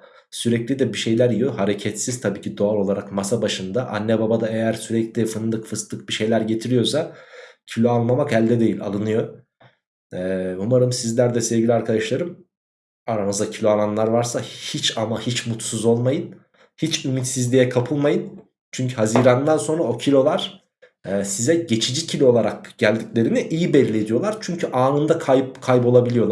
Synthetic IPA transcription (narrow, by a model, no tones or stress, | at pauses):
syɾɛclʲid̪ɛbiʃe̞jlʲæɾijohaɾecʰɛt̪siz̥t̪ʰabiːcʰid̪o̞alˠo̞lˠaɾakmasabaʃɯnd̪aʔa̰nːɛbabad̪aejæɾsyɾɛclʲifɯnlˠɯkfɯst̪lˠɯk̚biʃe̞jlʲæɾɟe̞t̪ʰiɾijo̞sacʰilʲo̞alˠmamakɛlʲd̪ɛd̪e̞jilʲa̰lˠɯnɯjo̞ | ɛːumaɾɯmsizlʲæɾd̪ɛsɛvɟilʲiaɾkʰad̪aʃlˠaɾɯm | aɾamɯzd̪acʰilʲoananlˠaɾvaɾsahit͡ʃamahit͡ʃmut̪suzo̞lˠmajɯn | hit͡ʃymit̪sizlʲijɛkʰapʰɯlˠmajɯn | t͡ʃʰyɲcʰyɦaziːɾand̪anso̞nɾao̞cʰilʲo̞lˠaɾ̥ | ɛːsizɛɟe̞t͡ʃʰid͡ʒicʰilʲo̞o̞lˠaɾak̚ɟ̥ælʲd̪iclʲe̞ɾiniʔijibɛlʲːie̞d̪ijo̞lˠaɾt͡ʃʰyɲcʰyʔaːnɯnd̪akʰajpkʰajbo̞lˠabilʲijo̞lˠ